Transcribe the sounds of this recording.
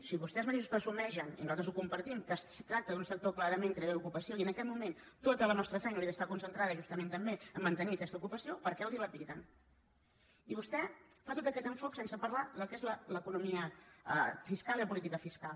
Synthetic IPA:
siβust̪ɛzmət̪eʃuspəɾsumɛʒənḭnuzalt̪əzukumpəɾt̪imkəst̪ɾak̚t̪əðunsək̚t̪oklaɾəmẽŋtk̪ɾeeukupəsioiənəkɛt̪mument̪ot̪ələnɔst̪ɾəfɛjnəliðəst̪akunsənt̪ɾaðəʒust̪əment̪əmbeəmːənt̪əniəkɛst̪əukupəsiopəɾkɛwðiləpit̪ən | iβust̪ɛfat̪ot̪əkɛt̪əɱfoksensəpəɾlaðəlˠkezlələkunumiəə̰fiskalˠiləpulit̪ikəfiskalˠ

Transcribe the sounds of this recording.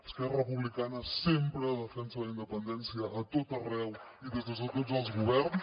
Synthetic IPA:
əskɛrərəpuβlikanəsempɾəːðəfɛnsələind̪əpənd̪ɛnsiəʔːt̪ot̪ərɛw | iðezðəzðət̪otzəlˠzɣuβɛɾn

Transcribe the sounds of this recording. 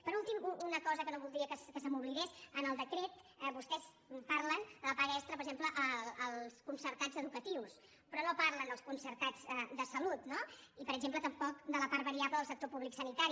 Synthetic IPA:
pəɾulˠt̪imuunəkɔzəkənoβulˠd̪ɾiəkəskəsəmuβliɣesənəlˠd̪əkɾet̪ɛbust̪ɛs | parlənd̪ələpaɾɛst̪ɾəpəɾɡʒempləʔəəlˠskunsəɾt̪ad͡zəðukət̪iws | pɾɔnopaɾlənd̪əlˠskunsəɾt̪ad͡zɛd̪əsəlut̪noipəɾəɡzemplət̪əmpɔk̚d̪ələpaɾt̪βəɾiapləðəlˠsək̚t̪opuβliksənit̪aɾi

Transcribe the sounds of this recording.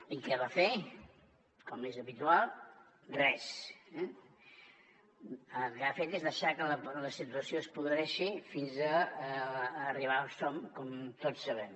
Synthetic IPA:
ikɛβafe | kɔmezəβit̪ualˠ | rɛsɛ | əlˠkafet̪ezðəʃakələləsit̪̬uəsioəspuðɾɾɛʃifinzə | riβ̞alˠsɔmkɔmt̪ott͡sːəβɛm

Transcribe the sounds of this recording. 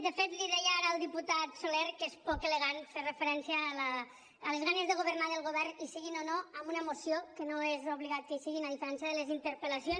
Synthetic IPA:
d̪əfet̪liðɛjaɾəːlˠd̪iput̪at̪soleɾkespɔkeləɣanferəfəɾɛnsjalaː | lezɣanezðəɣ̞oβ̞əɾnaðəlˠɣoβɛɾnisiɣinonoəmbunəmosiokənoezoβliɣat̪̚kəsiɣinaðifəɾɛns̬jəðələzint̪əɾpəlasion

